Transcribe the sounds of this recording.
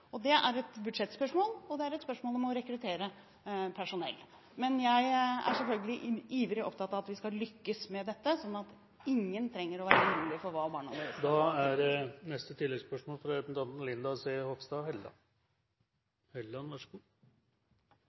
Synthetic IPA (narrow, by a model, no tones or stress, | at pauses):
ɔd̪ɛʔæɾɛt̪bʉd̪ʂɛt̪ːspœʂmoːlɔd̪ɛæɾɛt̪spœʂmoːlɔmɔɾɛkɾʉt̪ʰeːɾə | pʰæʂʊnɛ̰lː | mɛnjæɪæ̰ʂɛlfœlɡəlɪʔiːʋəlɪɔ̰pt̪ʰɑt̪ːɑːʋɑt̪ʋɪskɑlʏkːəsmɛd̪ɛt̪ːəsɔnːɑt̪ | ɪŋːənt̪ʰɾɛŋːəɾɔʋæːɾəmuːlɪfɔɾʋɑːbɑːɳɑ̰neːəsd̪ɑːæɾnɛst̪ət̪ʰɪlːɛɡspœʂmoːlfɾɑɛt̪nd̪ɑnt̪n̩lɪnd̪ɑsehɔfst̪ɑhɛlɑ̰ | hœlːɑnʋæʂɡuː